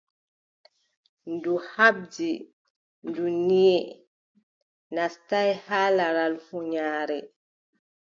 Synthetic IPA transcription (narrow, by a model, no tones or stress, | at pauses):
nduhab̚d͡ʒi | nduniɛ | nastajhaːlaɾalfuɲaːɾɛ